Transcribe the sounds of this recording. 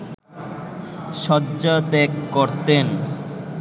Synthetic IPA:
ʃɔdd͡ʑat̪ɛkːoɾt̪en

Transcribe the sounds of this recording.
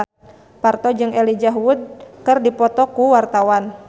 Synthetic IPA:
part̪ɔd͡ʒɨŋʔɛlid͡ʒaɦwud̪̚kɨrdipɔt̪ɔkuwart̪awan

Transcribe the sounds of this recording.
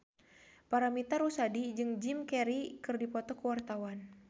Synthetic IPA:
paɾamit̪arusadid͡ʒɨŋd͡ʒimkɛɾikɨrdipɔt̪ɔkəwart̪awan

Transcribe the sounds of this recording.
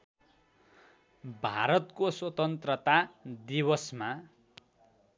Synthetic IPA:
bʱaɾʌt̪koswʌt̪ʌnt̪rʌt̪ad̪ibʌsma

